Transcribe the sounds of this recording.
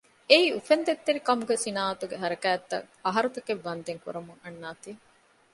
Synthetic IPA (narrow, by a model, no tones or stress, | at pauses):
eiːufend̪et̪ːeɾikɐmuɡesinaːɐt̪uɡeɦɐɾɐkæːt̪ːɐ̰k | ɐɦɐɾut̪ɐkeʋːɐnd̪eŋkṵɾɐmuŋɐnːaːt̪iː